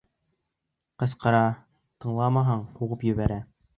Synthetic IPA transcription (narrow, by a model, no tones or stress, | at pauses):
qɤ̆sqɤ̆ɾɑ | t̪ɤ̆ɴlˠɑmɑɦɑɴhuʁɤpjɵ̆βæɾæ